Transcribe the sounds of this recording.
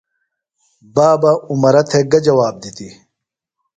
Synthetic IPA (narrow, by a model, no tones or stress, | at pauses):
baːbɐumɐɾɐt̪ʰeɡɐd͡ʑɐwaːb̚d̪it̪i